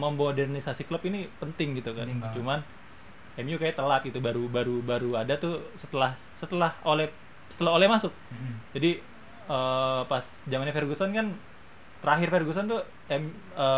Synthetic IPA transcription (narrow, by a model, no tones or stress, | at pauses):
məmodɛrnisasiklɔpinipənt̪ɪŋɡit̪ukant͡ʃuman | ɛmjukajat̪əlat̪̚ɡit̪ubaɾubaɾubaɾuadat̪usət̪əlah | sət̪əlaholɛ | sə̥t̪əlaɦolɛhmasʊk̚d͡ʒadi | əpas | d͡ʒamanɲafɛrɡusankan | t̪əɾaɦɪrfɛrɡusant̪u | ɛm | əː